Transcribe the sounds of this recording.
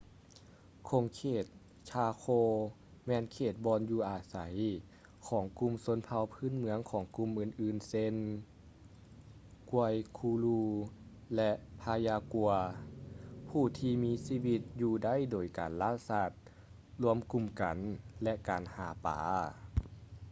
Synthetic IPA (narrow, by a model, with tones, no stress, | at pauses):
kʰo˨˧˦ŋkʰeː˧˩t̪̚ | t͡ɕʰaː˧kʰoː˧ | mɛː˧˨nkʰeː˧˩t̪̚bɔː˧njuː˧˩ʔaː˨˩sa˨˦j | kʰɔː˨˩˦ŋku˧˨mso˧˥npʰa˧wpʰɯː˧˥˨nmɯ˧˦əŋkʰɔː˨˩˦ŋku˧˨mʔɯː˧˩˨nʔɯː˧˩nse˧˥n | ku˧əjkʰuː˧luː˧ | lɛ˧ʔpʰaː˧jaː˧ku˧ɐ | pʰuː˧˩t̪ʰiː˧miː˧˥siː˧˥wi˧t̪̚juː˧da˥˨jdoː˨˩jkaː˨˩nlaː˧˥˨saː˧˩t̪̚ | lu˧əmku˧˨mka˨˩nlɛ˧ʔkaː˨˩nhaː˨˦pa̰ː˨˦